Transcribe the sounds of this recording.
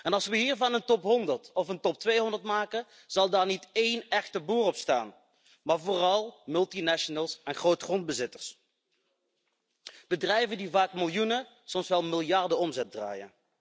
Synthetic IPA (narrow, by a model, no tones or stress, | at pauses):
ɛnɑlˠsʋəɦiːɹvɑnəntɔpɦɔndəɹtɔfəntɔp̚tʋejɦɔndəɹtmaːkə | z̥ɑlˠdaːɹnitejnɛxtəbuːrɔpsta̰ːn | maːɹvoːrɑlˠmɵlˠtinɛʃənəlˠsɛnχrowtχrɔnd̚bəzɪtəɹs | b̥ədrɛjvəndivaːkmɪlˠjunə | sɔmsʋɛlˠmɪlˠjɑɹdəɔmzɛt̚dra̰ːjə̰n